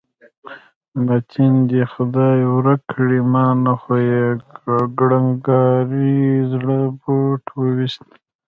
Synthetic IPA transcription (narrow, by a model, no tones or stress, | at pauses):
mat̪ʰind̪exʊd̪ɑjwɾakʰːɽimɑnaxojeɡɽaŋɡɑɾizɽəboʈʰwəwist̪